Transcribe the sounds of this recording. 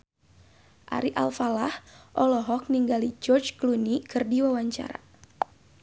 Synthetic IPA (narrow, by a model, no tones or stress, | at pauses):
ʔa̰ɾiʔa̰lfalahʔɔlɔɦɔk̚niŋɡalid͡ʒɔrd͡ʒklunikʰɨrdiwawaɲt͡ʃa̰ɾa̰